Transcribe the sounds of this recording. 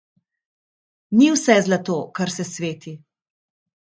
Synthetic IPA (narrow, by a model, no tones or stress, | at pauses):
niwsɛzlat̪oːkaɾsɛsʋeːt̪i